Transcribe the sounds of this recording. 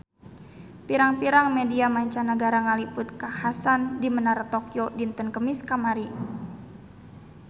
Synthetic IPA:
piɾaŋpiɾaŋmediamaɲt͡ʃanəɡaɾaŋalipʊt̪̚kahasandimənaɾat̪okiodint̪ənkəmiskamaɾi

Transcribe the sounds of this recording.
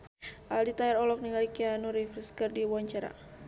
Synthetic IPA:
ʔaldit̪aɛɾɔlɔk̚niŋalikianuɾifɾəskərdiwuwaɲt͡ʃaɾa̰

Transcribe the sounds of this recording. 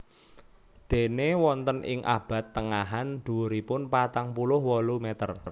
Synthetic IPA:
d̪̥e̤newɔnt̪ənʔɪ̰ŋʔa̰b̥a̤t̪ːəŋaɦand̪̥uuɾipʊnpat̪aŋpulʊhwɔlumet̪ər

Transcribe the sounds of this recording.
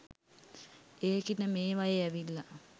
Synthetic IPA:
eːkinəmeːʋajeæʋilːa

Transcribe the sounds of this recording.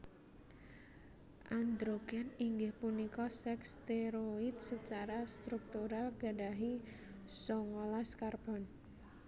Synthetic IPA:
ʔand̪ɾoɡɛniŋɡɪhpunikɔsɛkst̪eɾoit̪̚sət͡ʃaɾast̪ɾuk̚t̪uɾalɡadaɦi | sɔŋɔlaskarb̥ɔn

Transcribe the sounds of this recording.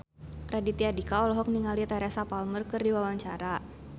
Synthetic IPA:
kɾadit̪iadikaɔlɔɦɔk̚niŋalit̪aɾasapalmərkɨrdiwawaɲt͡ʃaɾa

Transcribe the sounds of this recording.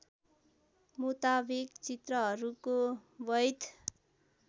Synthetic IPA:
mut̪abikt͡sit̪rʌɦʌɾukobʌjt̪ʰ

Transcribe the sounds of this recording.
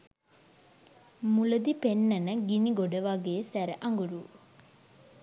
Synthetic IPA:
muləd̪ipenːɐnəɡiniɡoɖəʋaɡeːsæɾəʔɐŋɡuɾuː

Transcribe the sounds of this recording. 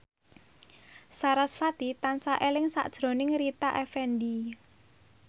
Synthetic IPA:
saɾasfat̪it̪ansaʔelɪŋsa̰ʔd̥ʒ̥ɾo̤nɪŋɾit̪aʔɛfɛndi

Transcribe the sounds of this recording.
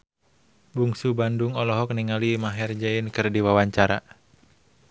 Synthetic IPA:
buŋsubandʊŋɔlɔɦɔk̚niŋalimaɦɛrd͡ʒainkɨrdiwawaɲt͡ʃaɾa

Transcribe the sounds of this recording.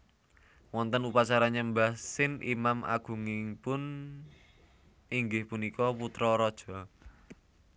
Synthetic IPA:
wɔnt̪ənupat͡ʃaɾaɲambasɪnimamʔa̰ɡ̥ṳŋɪŋpʊn | iŋɡɪhpunikɔput̪ɾɔɾɔd̥ʒ̥ɔ

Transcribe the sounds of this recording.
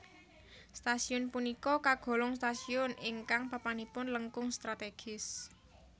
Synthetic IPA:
st̪asiʊnpunikɔkaɡ̥o̤lɔŋst̪asiʊnɪŋkaŋpapanipʊnləŋkʊŋst̪ɾat̪eɡ̥ɪs

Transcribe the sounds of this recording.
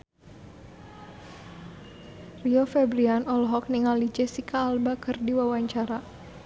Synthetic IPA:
riofɛbɾianɔlɦɔk̚niŋalid͡ʒesikaːlbakərdiwawaɲt͡ʃaɾa

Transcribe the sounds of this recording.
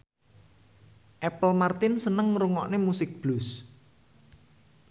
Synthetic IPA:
ʔɛpəlmart̪ɪnsənəŋruŋɔʔnemusɪk̚b̥lus

